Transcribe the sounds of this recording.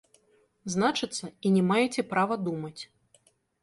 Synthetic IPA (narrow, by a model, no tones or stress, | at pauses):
znat͡ʂɨt̪sːɐinʲɛmajɛt͡sʲɛpɾavɐd̪umɐt͡sʲ